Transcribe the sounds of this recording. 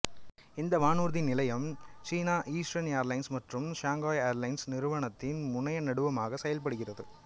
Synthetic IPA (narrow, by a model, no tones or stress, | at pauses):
ɪnd̪ɐmaːnuːɾðɪnːɪlɐjɐmt͡ʃiːnaːʔiːsʈɾɐnjaːɾlɐɪnsmɐʈrɯmʃaːŋɡaːjeɾlɐɪnsnɪɾɯʋɐɳɐt̪ːɪnmʊɳɐjɐnɐɽɯʋɐmaːɣɐsɛjɐlpɐɽɯɣɪrɐðɯ